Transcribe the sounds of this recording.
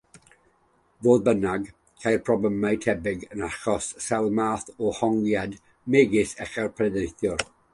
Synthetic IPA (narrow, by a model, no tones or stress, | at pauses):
voːðbənaɡ | kʰajrpʰrɔbləmajtʰɛbɪɡənaχɔssɛlˠmaːθɔhɔŋɡjad | meːɡɪsɛχɛrpʰrɛðejθjɔr